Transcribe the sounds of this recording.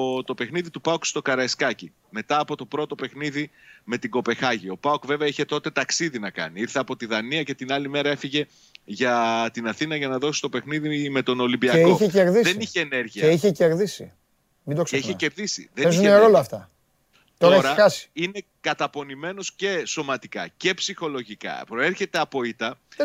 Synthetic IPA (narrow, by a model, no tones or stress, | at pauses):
t̪o̞pe̞xniðit̪upɐokst̪o̞kɐɾɐeskɐci | me̞t̪ɐːpo̞t̪opɾo̞t̪o̞pe̞xniði | me̞t̪iɡo̞pe̞xɐʝio̞pɐokve̞veɐiçe̞t̪o̞t̪e̞t̪ɐksiðinɐkɐ̰niiɾθeɐpo̞t̪iðɐniɐce̞t̪inɐlime̞ɾɐe̞fiʝe̞ | ʝɐt̪inɐθinɐʝɐnɐðo̞sist̪ope̞xniðime̞t̪o̞no̞limbiɐekioçeceɾðiðeniçeːne̞ɾʝiɐiçeceɾðisḭ | mind̪oseiçecepðisḭðeeizuneɾolɐːft̪ɐ | t̪oɾɐeçɾeɐɐsi̥ine̞ | kɐt̪ɐpo̞nime̞no̞sce̞so̞mɐt̪ikɐ̰ce̞psixo̞lo̞ʝikɐ̰pɾo̞e̞ɾçe̞t̪eɐpo̞it̪ɐ